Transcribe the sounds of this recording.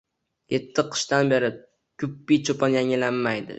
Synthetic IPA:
je̞t̪ʰːɪqʰɨ̥ʃt̪anbe̞ɾɪ | kʰʲʊpːijt͡ʃʰopʰɒnjaŋɪlanmajd̪ɪ̰

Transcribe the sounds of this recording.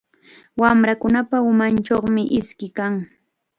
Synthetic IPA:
wamɾakʊnapaʊmant͡ʃoχmɪʔɪskɪkaŋ

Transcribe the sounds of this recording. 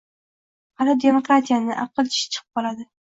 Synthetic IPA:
halɪd̪e̞mokɾat̪ʰijanɪʔa̰pqɨlˠɪ̥ʃɪ̥t͡ʃʰɨ̥qʰɨ̥p̚qɒlad̪ɪ

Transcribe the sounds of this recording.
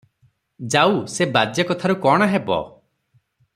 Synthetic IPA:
d͡ʒawsebad͡ʒjakɔt̪ʰaɾukɔɽ̃aɦebɔ̰

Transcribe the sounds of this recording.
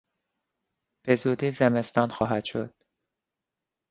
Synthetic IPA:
b̥e̞zud̪iːzeme̞st̪ɒːnxɒːɦæd̪̥ʃo̞̰d̪̥

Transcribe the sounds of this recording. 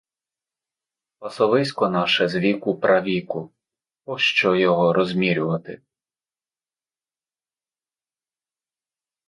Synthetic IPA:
pɐsɔʋɪsʲkɔnɑʃɛzʋʲikʊpɾʔɐʋʲikʊ | ɔʃt͡ʃɔjɔɦɔɾɔzʲmʲiɾʲʊʋɐt̪ɪ

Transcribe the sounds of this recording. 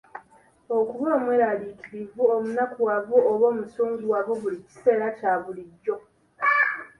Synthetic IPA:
okuβoːmweːɾalikiɾivuomunakuwaβuoβoːmusoːŋzwwaβoβulici̥se̞ːɾacaːβuliɟːo̞

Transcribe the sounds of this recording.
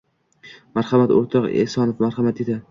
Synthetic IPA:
maɾhamat̪o̰ɾt̪ʰɒqḛsɒnɪfmaɾχamat̪̚ed̪ɪ

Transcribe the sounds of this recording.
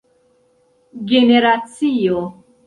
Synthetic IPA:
ɡɛnɛɾat͡sʰijɔ

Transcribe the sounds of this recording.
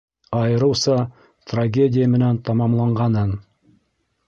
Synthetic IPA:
ɑjɤ̆ɾɤ̆wsɤ | t̪raɡʲedʲɪjəmɘ̆nænt̪ɑmɑmlˠɑɴɢɑnɤn

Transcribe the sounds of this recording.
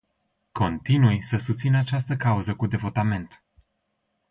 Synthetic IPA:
ko̞nt̪inujsəsust̪sinəat͡ʃast̪əkauzəkud̪e̞vo̞t̪ame̞nt̪

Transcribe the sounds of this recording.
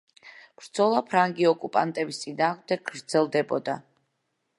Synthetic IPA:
b̥ɾd̪z̥ɔlˠapʰɾaŋɡiɔkʼupʼa̰nt̪ʼɛbist̪sʼinaːʁmd̪ɛɡ̚ɡɾd̪zɛlˠd̪ɛbɔd̪a

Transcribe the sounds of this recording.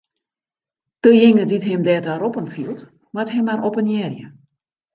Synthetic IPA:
təjɪŋəditɦɪmdɛːtaɾopənfilˠt | mathɛmanʔopənjɛːrjə

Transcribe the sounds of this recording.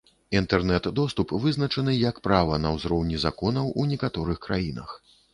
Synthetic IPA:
int̪ɛrnɛt̪d̪ɔst̪upvɨznɐt͡ʂɐnɨjɐkpɾavɐnɐwzɾɔwnʲizakɔnɐwunʲɛkat̪ɔɾɨxkɾajinɐ̰x

